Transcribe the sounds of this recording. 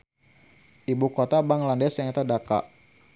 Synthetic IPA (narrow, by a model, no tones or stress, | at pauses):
ʔibukot̪abaŋlandɛsjaŋat̪adaka̰ʔ